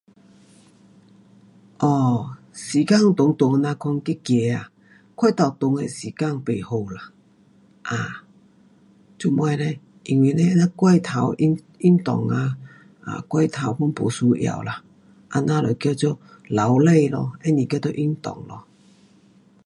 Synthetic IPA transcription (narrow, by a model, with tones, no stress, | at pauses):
ʔɔ˧˩ | si˨˩ka˥˧˨ŋt̪ʊ˨˧˦ŋt̪ʊ˨˦ŋ˧nã˧kʰɔ˧ŋki˦kje˨˧a˨ | kʰwa˥˧˦t̪a˨˩t̪ʊ˧ŋḛ˨si˨˩ka˥˧˨ŋpe˨˩ho˨˧˩la˨ | ʔa˨˩ | t͡ɕu˧mwa˧le˧ | ʔi˨˧ŋwi˧˨nẽ˦nã˦kwa˥˧jt̪ʰa˨˦wi˦ | i˦˥nt̪ɔ̰˨˩ŋa˧ | a̰˨kwa˥˧jt̪ʰa˨˦wpu˦npo˨˩su˧˦ʔj̰a̰˨˩˨wla˨ | ʔa̰˧nã˧lɔ˨˩jkja˧˩t͡ɕjɔ˦˨la˨˦wle˥˧˨lɔ˧e˦nĩ˨kɛ˦t̪ɔ˦ʔi˦nt̪ɔ̰˨˩ŋlɔ˧